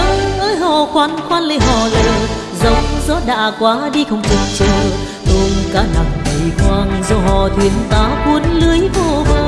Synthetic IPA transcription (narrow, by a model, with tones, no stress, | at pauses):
ə˨˦ʔəː˧˦jɦɔ˧˩xwaː˨˦˥nxwaː˧˥nlə˧˩ɦɔ˧˩zə̰˧˩ə˧w | zə˨˦wŋ͡mzɔ˦˥t̚ɗa̰ː˧˨kwaː˨˦ɗi˧xə˧˩wŋ͡mt̪ɨ˨˩ŋ̚t͡ɕə˧ | t̪o˧nkaː˨˦na˨˩mɗi˨˩jkwaː˧ŋzɔ˧ɦɔ˧˩t̪ʰwi˧˩˨ənt̪aː˨˦kwu˨˦ənlɨ˨˦əjvo˧˩vəː˧